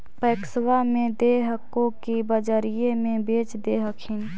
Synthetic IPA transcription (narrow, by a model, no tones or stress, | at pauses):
pəːkswamẽd̪eːɦəkõkibəd͡ʒəɾijemẽbeːt͡ʃd̪eːɦəkʰɪ̃n